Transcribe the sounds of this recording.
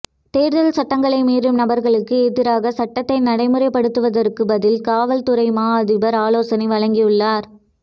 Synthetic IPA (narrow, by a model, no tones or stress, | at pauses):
t̪eːɾðɐlsɐʈːɐŋɡɐɭɐɪmiːrɯmnɐbɐɾɣɐɭɯkːɯeːðɪɾaːɣɐsɐʈːɐt̪ːɐɪnɐɽɐɪmɯrɐɪpːɐɽɯt̪ːɯʋɐðɐɾkːɯbɐðɪlkaːʋɐlt̪ʊɾɐɪmaːɐðɪbɐɾaːloːsɐniʋɐɻɐŋɡijɯɭːaːɾ